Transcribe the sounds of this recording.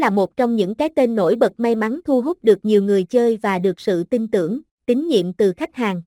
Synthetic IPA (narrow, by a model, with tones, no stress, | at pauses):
laː˨˩mo˨˩t̚t͡ɕɔ˧wŋ͡mɲɨ̰˧˥ŋkaː˨˦jt̪e˧nːo̰˧˥jɓə˨˩t̚ma˧jma˨˦nt̪ʰu˧ɦu˦˥p̚ɗɨ˨˩ək̚ɲi˨˩əwŋɨ˨˩əjt͡ɕəː˧jvaː˨˩ɗɨ˨˩ək̚sɨ̰˧˨t̪i˧nt̪ɨ̰˧˩əŋ | t̪ï˨˦ŋ̟ɲḭ˧˨əmt̪ɨ˨˩xa˦˥k̚haː˨˩ŋ